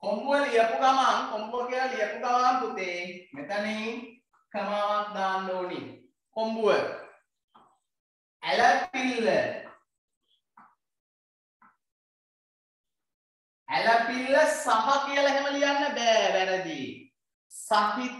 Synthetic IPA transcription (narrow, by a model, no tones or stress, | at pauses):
kombuʋəliəpuɡamaŋkombuəkijələlijəpuɡalaŋkut̪emet̪əneiŋ | kəmaːʋat̪d̪aːndoːlḭ | kombuʋə | æləpilːə | æləpilːəsaɦakijələɦæməlijanːəbɛːʋæɾəd̪i | saɦit̪